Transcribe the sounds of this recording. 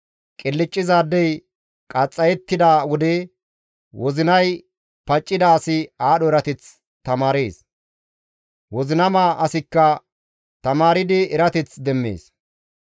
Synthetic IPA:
kʼɪlːɪt͡ʃʼːɪzaːd̪ːɛj | kʼɐt͡sʼːɐjɛt̪ːɪd̪aːwɔd̪ɛ | wɔzɪnɐj | pɐt͡ʃʼːɪd̪aːsɪaːɗɔɛɾɐt̪ɛt͡s | t̪ɐmaːɾeːs | wɔzɪnɐmaːʔɐsɪkːɐ | t̪ɐmaːɾɪd̪ɪɛɾɐt̪ɛt͡sd̪ɛmːḛːs

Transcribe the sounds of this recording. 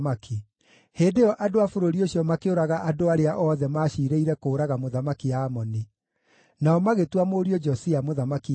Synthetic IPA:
maki | heːndeɔʔadoafoɾoɾioɕjɔmakeoɾaɣaʔadoaɾeaʔɔðɛmaːʃiɾeiɾɛkoːɾaɣamoðamakiaːmɔni | naɔmaɣetwamoːɾiɔd͡ʒɔsiamoðamaki

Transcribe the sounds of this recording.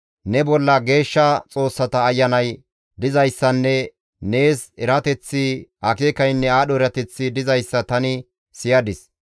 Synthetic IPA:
nɛbɔlːɐɡe̞ːʃːɐt͡sʼo̞ːsːɐt̪ɐːjːɐnɐj | d̪ɪzɐjsːɐnːɛ | ne̞ːsɛɾɐt̪ɛt͡sːɪhɐkeːkɐjnːɛaːɗɔɛɾɐt̪ɛt͡sːɪd̪ɪzɐjsːɐt̪ɐnɪ | sɪjɐd̪ɪs

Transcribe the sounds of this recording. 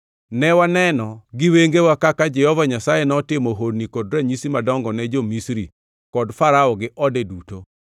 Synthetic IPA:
nɛwanɛnɔɡɪweŋɡewakakad͡ʒɛhɔvaɲasajenɔtɪmoɦodnikodɾaɲisimadɔŋɡɔnɛd͡ʒomisɾi | kɔdfaɾaɔɡɪʔɔdɛduto

